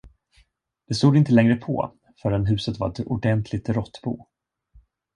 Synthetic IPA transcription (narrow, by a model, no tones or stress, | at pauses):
d̪̥ɛst̪uːd̪ɪnt̪əlɛŋɾəpʰɔ̰ | fœːɾɛnɦʉ̟ːsət̪va̰ɾɛt̪ʊɖɛnt̪ʰlɪɡt̪ɾɔt̪ːbṵː